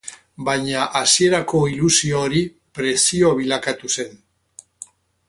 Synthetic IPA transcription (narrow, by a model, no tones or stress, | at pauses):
bajɲaʔasie̞ɾako̞ilusio̞ːɾi | pɾe̞sioβ̞ilakat̪use̞n